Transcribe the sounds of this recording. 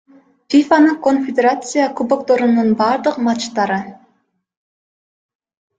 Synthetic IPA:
fʲifanakonfʲɪd̪ʲeɾat̪sɨjakubokt̪o̞ɾununbɑːɾd̪ɯqmɑt͡ʃt̪ɑɾɯ

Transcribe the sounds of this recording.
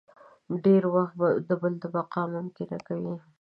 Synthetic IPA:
ɖeɾwaxt̪̚bad̪əbəld̪əbaqɑmʊmk̪eɾakawi

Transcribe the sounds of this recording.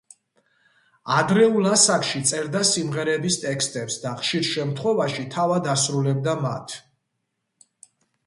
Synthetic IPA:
ad̪ɾɛulˠasakʰʃit̪sʼɛɾd̪asimʁɛɾɛbist̪ʼɛkst̪ʼɛpsd̪aχʃiɾʃɛmt̪ʰχwɛvaʃit̪ʰavad̪asɾulɛb̚d̪amat̪ʰ

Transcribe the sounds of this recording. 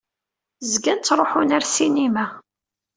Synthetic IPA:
zɡænt͡s̪ːɾˤoħunæɾsinimæ

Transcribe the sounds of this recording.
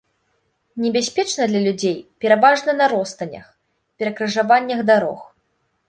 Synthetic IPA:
nʲɛbʲasʲpʲɛt͡ʂnɐd̪lʲɐlʲud͡zʲejpʲɛɾavaʐnɐnɐɾɔst̪ɐnʲɐ̰x | pʲɛɾɐkɾɐʐavanʲːɐɣd̪aɾɔ̰x

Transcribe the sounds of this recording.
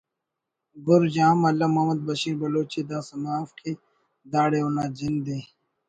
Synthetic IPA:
ɡʊɾd͡ʑaːmɐlɐmɐmɐd̪̚bɐɕĩːɾbɐloːt͡ʃiːd̪aːsɐmaːfkʰe | d̪aːɽeunaːd͡ʒind̪eː

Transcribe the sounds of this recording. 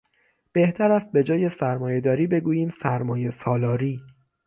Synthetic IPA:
b̥e̞ht̪ʰæɾæst̪̚be̞d͡ʒɒːje̞sæɾmɒːje̞d̪ɒːɾiːbe̞ɡuːjiːmsæɾmɒːje̞sɒːlɒːɾiː

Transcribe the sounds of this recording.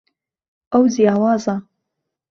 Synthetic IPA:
əwzijaːwaːza

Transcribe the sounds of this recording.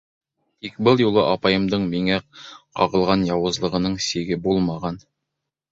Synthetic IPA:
t̪ikbɤlˠjulˠɤʔɑpɑjɤ̆md̪ɤɴmiŋæqɑʁɤ̆lˠʁɑnjɑwɤ̆zlˠɤ̆ʁɤ̆nɤɴsiɡɘbulˠmɑʁɑn

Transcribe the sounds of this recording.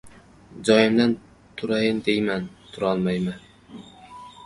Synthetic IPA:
d͡ʒɒjɪmd̪an | t̪ʰʊɾajɪnd̪ejmænt̪ʰʊɾɒlˠmajmɪn

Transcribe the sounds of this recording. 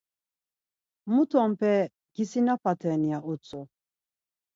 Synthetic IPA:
mut̪ʰɔmpʰɛ | ɡ̥isinapʰat̪ʰɛːniaʔut͡sʼu

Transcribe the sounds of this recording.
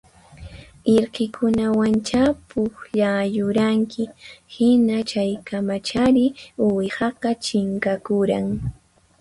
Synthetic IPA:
ɪɾkɪkʰʊnawant͡ʃapʊχʎaːjʊɾaŋkɪhɪnat͡ʃajkamat͡ʃaɾɪʊwhɑqɑt͡ʃɪŋkakʊɾaŋ

